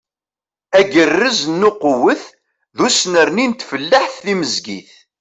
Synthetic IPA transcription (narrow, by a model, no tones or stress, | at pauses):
æɡərːəznːuqʊwəθ | ðusnəɾnint̪fəlːaħθːiməzɡḭθ